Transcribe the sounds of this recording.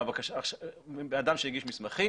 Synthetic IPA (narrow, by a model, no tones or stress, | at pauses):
bakaʃaʃabeadamʃejiɡiʃmismaχi